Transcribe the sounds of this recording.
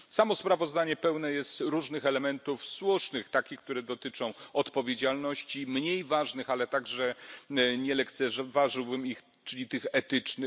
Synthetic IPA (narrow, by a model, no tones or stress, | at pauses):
samɔspɾavɔzd̪aɲɛpɛwnɛjɛst̪ɾuʐnɘxɛlɛmɛnt̪ufswuʂnɘxt̪akʲixk̚t̪uɾɛd̪ɔt̪ɘt͡ʂɔ̃w̃ɔt̪pɔvʲjed͡ʑalnɔɕt͡ɕimɲejvaʐnɘxalɛt̪aɡʐɛ | ɲɛlɛkt̪sɛʐɛvaʐɘwbɘmix | t͡ʂɘlʲit̪ɘxɛt̪ɘt͡ʂnɘ